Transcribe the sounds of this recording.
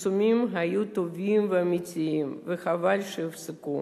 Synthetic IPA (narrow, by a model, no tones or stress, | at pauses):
sʊmʲimɦajut̪ʊvʲimvɐmit͡sʲimvɨxavalʲʃɨwsɨku